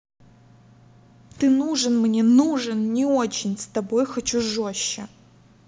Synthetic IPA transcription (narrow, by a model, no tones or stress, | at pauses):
t̪ɨnuʐɨnmnʲenuʐɨnnʲɪot͡ɕɪnʲst̪ɐbo̞jxɐt͡ɕuʐoɕːɪ̰